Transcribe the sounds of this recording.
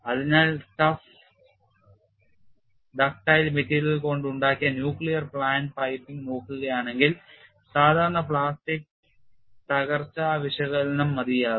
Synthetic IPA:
ɐðinaːlʈɐf | ɖaːk̚ʈaːjilmetːiːljɐlko̞ɳɖuɳɖaːkːijɐnjuːkɭijɐrpɭaːnpɐjpːiŋɡno̞ːkːuɣɐjaːɳe̞ŋɡil | saːd̪ʱaːɾɐɳɐpɭaːsʈik̚ | t̪ɐɣɐrt͡ɕːɐaːʋɐɕɐɣɐlnɐmːɐd̪ijaːð

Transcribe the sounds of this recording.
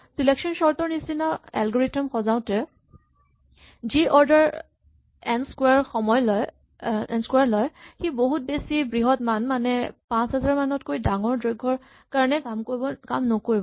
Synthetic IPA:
silɛksɔnsɔɹtɔɹnistinaɛ̰lɡɔɹitɔmxɔzaʊ̃tɛ | ziʔɔɹdaɹ | ɛnskwaɹxɔmɔjlɔj | ɛ̰nskwaɹlɔjxiboɦut̚besibɹiɦɔtmanmanɛpãsɦɛzaɹmanɔtkojdaŋɔɹdɹɔɡʱɔɹ | kaɹɔnɛamkobɔkamnɔkoɹibɔ

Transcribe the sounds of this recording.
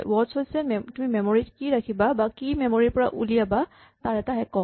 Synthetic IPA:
wɔdshojsɛmtʊmimɛmoɹitkiɹakʰibabakimɛmoɹiɹpɔɹa̰ʔulijaba | taɹɛtaɦɛkɔ

